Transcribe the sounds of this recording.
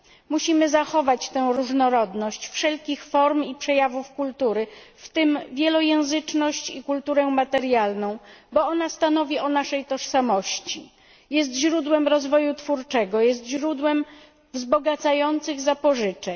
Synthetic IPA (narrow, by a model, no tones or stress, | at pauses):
muɕimɘzaxɔvat͡ɕt̪ɛ̃w̃ɾuʐnɔɾɔd̪nɔɕt͡ɕfʂɛlkʲixfɔɾmipʂɛjavufkult̪uɾɘft̪ɘmvʲjɛlɔjɛ̃w̃zɘt͡ʂnɔɕt͡ɕikult̪uɾɛmat̪ɛɾjalnɔ̃w̃bɔɔnast̪anɔvʲiɔnaʂɛjt̪ɔʂsamɔɕt͡ɕi | jɛst̪ʑɾud̪wɛmɾɔzvɔjut̪fuɾt͡ʂɛɡɔjɛst̪ʑɾud̪wɛm | vzbɔɡat̪sajɔnt̪sɘɣzapɔʐɘt͡ʂɛ